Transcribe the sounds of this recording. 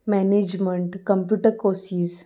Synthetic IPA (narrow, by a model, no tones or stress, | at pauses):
mɛːneːd͡ʒmə̃ɳʈkɐ̃mpjuːʈəɾkoːsiːz